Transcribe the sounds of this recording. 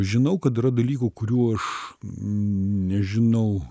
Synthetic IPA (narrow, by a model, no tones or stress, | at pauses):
ʒʲɪnɐʊkɐt̪ɪɾɐd̪ɐlʲiːkukʊɾʲuːɐʃ | nʲɛʒʲɪnɐʊ